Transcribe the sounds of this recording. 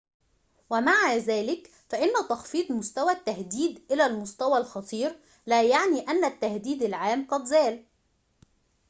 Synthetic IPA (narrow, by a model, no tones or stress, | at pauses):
wɪmaʕazæːlɪk | fæʔɪnːæt̪ɑxfiːt̪ˤmʊst̪æwæt̪ːahd̪iːd̪ʔɪlælmʊst̪æwælxɑt̪ˤiːɾ | læːjaʕniːʔænːæt̪ːahd̪iːd̪ɪlʕaːmqɑd̪zæːl